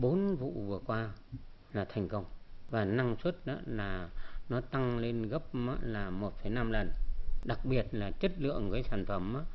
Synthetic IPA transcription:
ɓo˨˦nvṵ˧˨vɨ˨˩əkwaː˧ | laː˨˩t̪ʰɛ˨˩jŋ̟kə˧wŋ͡mvaː˨˩na˧ŋswə˦˥t̚ʔa̰ː˧˦laː˨˩nɔ˨˦t̪a˧ŋle˧nɣə˦˥p̚ma̰˧˦laː˨˩mo˨˩t̚fə˨˩˦jna˧mlə˨˩nɗa˨˩k̚ɓi˨˩ət̚laː˨˩t͡ɕə˦˥t̚lɨ̰˧˨əŋkəː˨˦jsaː˧˩nfə˨˧˩mʔaː˨˧˦

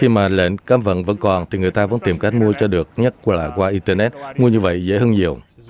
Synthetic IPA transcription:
xi˧maː˨˩lḛ˧˨nkaː˨˥mvə̰˧˨nvə̰˧˥nkɔ˨˩nt̪ʰi˨˩ŋɨ˨˩əjt̪aː˧və̰˧˥nt̪i˨˩mka˦˥jk̟̚mu˧ət͡ɕɔ˧ɗɨ˨˩ək̚ɲə˦˥t̚kla̰ː˧˨˩kwaː˧ʔi˧nt̪əː˧nɛ˦˥t̚mu˧əɲɨ˧və̰˧˨jzḛ˧˥ɦəː˧nɲi˨˩əw

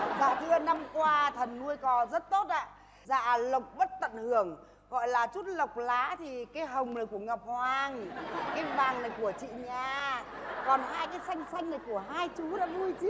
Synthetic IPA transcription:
zaː˨˩kɨ˧əna˧mkwaː˧t̪ʰə˨˩nːu˧əjkɔ˨˦zə˦˥t̚t̪o˦˥t̚ʔa̰ː˧˨ | za̰ː˧˨lə˨˩k͡p̚ɓə˦˥t̚t̪ə̰˧˨nhɨ˧˩əŋ | ɣɔ̰˧˨jlaː˨˩t͡ɕu˦˥t̚lə˨˩wk͡p̚laː˨˦t̪ʰi˨˩kaː˨˦jɦə˨˩wŋ͡mnə˨˩jku˧˩əŋə˨˩p̚hwaː˨˩ŋkaː˨˦jvaː˨˩ŋnə˨˩jku˧˩ət͡ɕḭ˧˨ɲaː˨˩ | kɔ˨˩nɦaː˧jkaː˨˦jsa˧jŋ̟sa˧jŋ̟nə˨˩jku˧˩əɦaː˧jt͡ɕu˨˦ɗa̰ː˧˥vu˧jt͡ɕi˦˥

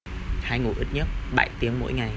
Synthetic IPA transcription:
haː˧jŋu˨˩ʔi˦˥t̚ɲə˦˥t̚ɓa̰˧˩jt̪i˨˦əŋmo̰˧˥jŋa˨˩j

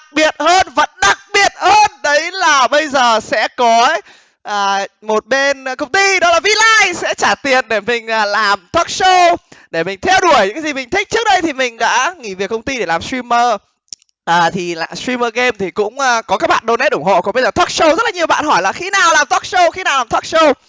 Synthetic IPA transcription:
k̚ɓi˨˩ət̚həː˧nvə̰˧˥nɗa˨˩k̚ɓi˨˩ət̚həː˧nɗə˨˦jlaː˨˩ɓə˧jzəː˨˩sɛ̰˧˥kɔ˨˦ | ʔəː˨˩mo˨˩t̚ɓe˧nkə˧wŋ͡mt̪i˧ɗɔ˨˦laː˨˩vi˧laː˧jsɛ̰˧˥t͡ɕaː˧˩t̪i˨˩ənɗe˧˩mï˨˩ŋ̟ʔəː˨˩laː˨˩mt̪ʰɔ˦˥k̚so˧ɗe˧˩mï˨˩ŋ̟t̪ʰɛ˧wɗu˧˩əjɲɨ̰˧˥kaː˨˦zi˨˩mï˨˩ŋ̟t̪ʰï˦˥k̟̚t͡ɕɨ˦˥ək̚ɗə˧jt̪ʰi˨˩mï˨˩ŋ̟ɗa̰ː˧˥ŋḭ˧˩vi˨˩əkə˧wŋ͡mt̪i˧ɗe˧˩laː˨˩msɹi˧məː˧ | ʔəː˨˩t̪ʰi˨˩la˨˩sɹi˧məː˧ɣe˧mt̪ʰi˨˩kʊ̰˧˥ŋ͡mʔəː˧kɔ˨˦kaː˦˥k̚ɓa̰ː˧˨ɗo˧nɛ˦˥t̚ʔʊ˧˩ŋ͡mho̰˧˨kɔ˨˦ɓə˧jzəː˨˩t̪ʰɔ˦˥k̚so˧zə˦˥t̚laː˨˩ɲ˨˩əwɓa̰ː˧˨nhɔ˧˩jlaː˨˩xi˨˦naː˨˩wlaː˨˩mt̪ʰɔ˦˥k̚so˧xi˧˦naː˨˩wlaː˨˩nt̪ʰɔ˦˥k̚so˧

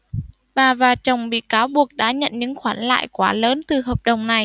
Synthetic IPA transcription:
ɓaː˨˩vaː˨˩t͡ɕə˨˩wŋ͡mɓḭ˧˨kaː˨˦wɓu˨˩ək̚ɗa̰ː˧˥ɲə̰˧˨nɲɨ̰˧˥ŋxwaː˨˦nla̰ː˧˨jkwaː˨˦ləː˨˦nt̪ɨ˨˩həː˨˩p̚ɗə˨˩wŋ͡mna˨˩j

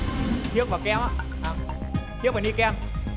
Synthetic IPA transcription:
t̪ʰi˦˥ək̚vaː˨˩kɛ˧maː˧ʔaː˨˩mt̪i˦˥k̚va˨˩ni˧kɛ˧m

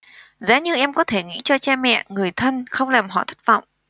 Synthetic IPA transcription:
za̰ː˨˦ɲɨ˧ʔɛ˧mkɔ˨˦t̪ʰe˧˩ŋḭ˧˥t͡ɕɔ˧t͡ɕa˧mɛ̰˧˨ŋɨ˨˩əjt̪ʰə˧nxə˧wŋ͡mlaː˨˩mɦɔ̰˧˨t̪ʰə˦˥t̚va̰˧˨wŋ͡mʔ

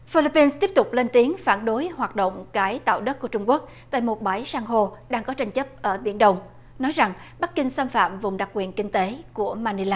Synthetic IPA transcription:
fi˧li˧˥pːi˧nst̪i˦˥əp̚t̪ʊ˨˩k͡p̚le˧nt̪i˨˦əŋfaː˧˩nɗo˨˦jhwaː˨˩t̚ɗo̰˧˨wŋ͡mkaː˨˧˦jt̪a̰ː˧˨wɗə˦˥t̚ku˧˩ət͡ɕʊ˧ŋ͡mku˦˥ək̚t̪a̰ː˧˨jmo˨˩t̚ɓaː˧˩jsaː˧ŋɦo˧ɗaː˧ŋkɔ˨˦t͡ɕa˧jŋ̟t͡ɕə˦˥p̚ʔəː˧˩ɓḭ˧˩ənɗə˧wŋ͡m | nɔ˨˦jza˨˩ŋ | ɓa˦˥k̚kï˧ŋ̟saː˧mfa̰ː˧˨mvʊ˨˩ŋ͡mɗa˨˩k̚kwḭ˧˨ənkï˧ŋ̟t̪e˨˦ku˧˩əmaː˧ni˧laː˧˩

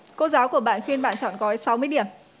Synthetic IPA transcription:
ko˧zaː˨˦wku˧˩əɓa̰ː˧˨nxwi˧ənɓa̰ː˧˨nt͡ɕɔ̰˧˨nkɔ˨˦sa˨˦wmɨ˧əjɗi˧˩əm

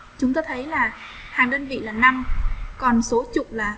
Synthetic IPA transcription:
t͡ɕʊ˨˦ŋ͡mt̪aː˧t̪ʰə˨˦jlaː˨˩ | haː˨˩ŋɗəː˧nvḭ˧˨laː˨˩na˧mkɔ˨˩nso˨˦t͡ɕʊ˨˩k͡p̚laː˨˩

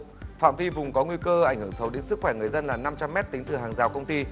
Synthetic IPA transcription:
fa̰ː˧˨mvi˧vʊ˨˩ŋ͡mkɔ˨˦ŋwi˧kəː˧ʔa˧˩jŋ̟hɨ˧˩əŋsə˨˦wɗe˨˦nsɨ˦˥k̚xwɛː˧˩ŋɨ˨˩əjzə˧nlaː˨˩na˧mt͡ɕa˧mːɛ˦˥t̚t̪i˨˦ŋ̟t̪ɨ˨˩ɦaː˨˩ŋzaː˨˩wkə˧wŋ͡mt̪i˧

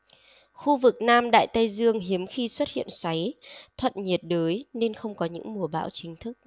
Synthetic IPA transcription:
xu˧vɨ˨˩k̚naː˧mɗa̰ː˧˨jt̪a˧jzɨ˧əŋɦi˨˦əmxi˧swə˦˥t̚hḭ˧˨ənswa˨˦jt̪ʰwə̰˧˨nɲi˨˩ət̚ɗəː˨˦jne˧nxə˧wŋ͡mkɔ˨˦ɲɨ̰˧˥ŋmu˨˩əɓa̰ː˧˥wt͡ɕï˨˦ŋ̟t̪ʰɨ˦˥k̚

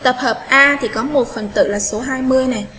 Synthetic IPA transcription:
t̪ə˨˩p̚həː˨˩p̚ʔaː˧t̪ʰi˨˩kɔ˨˦mo˨˩t̚fə˨˩nt̪ɨ̰˧˨laː˨˩so˨˦ɦaː˧jmɨ˧əjna˨˩

